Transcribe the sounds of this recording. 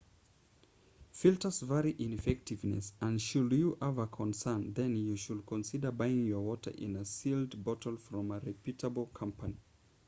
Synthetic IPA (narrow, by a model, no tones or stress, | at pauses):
filˠtə˞zvɛɹiʔɪ̃nɨfɛk̚tɨvnɨ̰sə̃nʃuljɨʔavəkʰə̃nsɜ̃˞nðɨ̃njuʃɨlkʰə̃nsɪdə˞baɪɪ̃ŋjə˞wɔɾə̰˞ʔɪ̰̃nəsilˠdbɔtʰl̩ˠfɹɔ̃məɹɨpʰjʉtəbl̩ˠkʰʌ̃mpəni